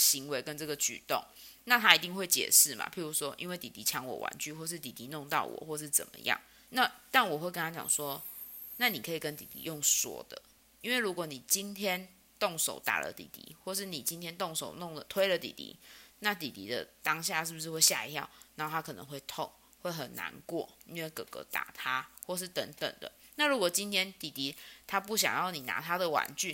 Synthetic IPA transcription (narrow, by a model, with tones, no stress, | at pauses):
ɕi˧˦ŋwe˧ɪkə˦nʈ͡ʂɤ˥˩ɡə˨t͡ɕy̰˨˩t̪o̰˥˩ŋna˥˨t̪ʰa˦˥i˨˩t̪i˥˧ŋxwe˥˩ɪt͡ɕjɛ̰˨˩ʂɻ̩˥˩ma̰˨˩pʰi˨˥ɻu˧˦˥ʂwɔ˦ʔḭ˦nwe˥˩ɪt̪i˨t̪i˧˥t͡ɕʰjɑ˧˦ŋwɔ̰˨˩wa̰˧˦nt͡ɕʰy˥˨xwɔ˥˧ʂ̬ɻ̩˥˩t̪i˨˩t̪i˧˥˦nɔ˥˧ŋt̪ɑ˥˨˩ʊwɔ̰˨˩xwɔ˥˧ʂ̬ɻ̩˥˩t͡sə̰˨˩nmə̰˧˦jɑ̰˥˩ŋ | na˥˨t̪a˥˩nwɔ˨˩xwe˥˩kə˦nʰa˥t͡ɕjɑ̰˨˩ŋswɔ˦ | na˥˩ni˨˩kʰɤ˧˥i˨˩kə˦nt̪ḭ˨˩t̪ḭ˧˥jo˥˩ŋswɔ̰˧˥d̪̥ə̰˨˩ | i˦˥nwe˥˩ɪɻu˧˥kwɔ˨˧˦ni˨˩t͡ɕi˦nt̪ʰjɛ˦˥n | t̪o˥˩ŋʂo̰˨˩ʊt̪a̰˨˩lə̰˦t̪ḭ˨˩t̪ḭ˧˦xwɔ˥˧ʂ̬ɻ̩˥˩ni˨˩t͡ɕi˦nt̪ʰjɛ˥nt̪o˥˩ŋʂo˨˩ʊnɔ˥˩ŋlə˨t̪ʰwe˥ɪlə˨t̪ḭ˨˩t̪ḭ˧˦na˥˨t̪i˨˩t̪ḭ˧˥d̪ə̰˧˨t̪ɑ˦ŋɕ̬ja˥˧ʂɻ̩˥˩bu˩ʂɻ̩˥˧xwe˥˧ɕja˥˧ḭ˧˥t̪ʰjɑ̰˥˩ʊna˨˧nho˥˩a˦˥kʰɤ˨˩nə̰˧˦ŋxwe˥˧ɪt̪ʰɔ˥˩ŋ | xwe˥˩ɪxə˨˩nːa̰˧˦nkwɔ̰˥˩i˦˥nwe˥˩ɪkɤ˨˩kɤ̰˧˦t̪a̰˨˩t̪ʰa˦xwɔ˥˧ʂ̬ɻ̩˥˩t̪ə˧˥ŋt̪ə̰˨˩ŋd̪ə̰˩na˥˩ɻu˧˥kwɔ˨˩t͡ɕi˦˥nt̪ʰjɛ˥nt̪i˨˩t̪i˨˦t̪ʰa˦pu˥˩ɕ̬jɑ̰˨˩ŋjɑ˥˩ʊni˨˩na̰˧˥˦t̪ʰa˥d̪ə˨wa̰˧˦nt͡ɕy˥˨